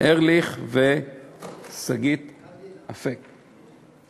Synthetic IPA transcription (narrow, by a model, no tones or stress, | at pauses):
ʔeʁliχve | saɡit̪afek